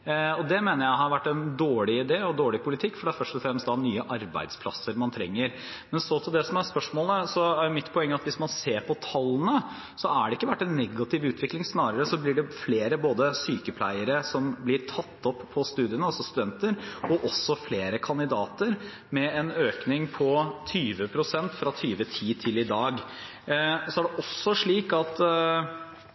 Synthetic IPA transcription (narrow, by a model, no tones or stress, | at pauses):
ɔd̪ɛmeːnəɾjæɪhɑɾʋæʈːɛnd̪oːɭɪɪd̪eːɔd̪oːɭɪpʰʊlɪt̪ʰɪkːfɔɖɛæɾfœʂʈɔfɾɛmst̪d̪ɑnyːəʔɑɾbæ̰ɪd̪spʰlɑ̰sːəɾmɑnt̪ʰɾɛ̰ŋːəɾ | mɛnsɔt̪ʰɪld̪ɛsɔmæɾspœʂmoːləsɔæɾjʊmɪt̪ːpʰɔɛŋːəɑt̪ʋɪsmɑnseːɾpʰɔt̪ʰɑlːənə | sɔæɖɛɪkːəʋæʈːɛnːɛɡːɑt̪ʰɪʋʉːt̪ʰʋɪklɪŋsnɑːɾəɾəsɔblɪɖɛfleːɾəboːd̪əsyːkəpʰlæ̰ɪəɾəsɔmblɪɾt̪ʰɑt̪ːɔpʰːɔst̪ʉːd̪ɪənəɑlsɔst̪ʉd̪ɛnt̪əɾɔʔɔsːɔfleːɾəkʰɑnd̪ɪd̪ɑːt̪əɾ | mɛɛnøːknɪŋpʰɔt̪ʰyːʋəpʰɾʊsɛnt̪fɾɑt̪ʰyːʋət̪ʰiːt̪ʰɪlɪd̪ɑːɡ | sɔæɖɛʔɔsːɔʂɭiːkɑt̪